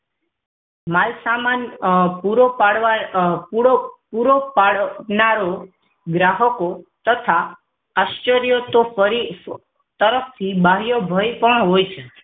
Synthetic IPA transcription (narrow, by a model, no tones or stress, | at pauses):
malsamanpuɾopaɽʋa | puɾopaɽnaɾo | ɡɾaɦəkot̪ət̪ʰa | aʃt͡ʃəɾijot̪ofəɾi | t̪əɾəfʰt̪ʰibaɦjobʱəjpəɳ̃ɦojt͡ʃʰe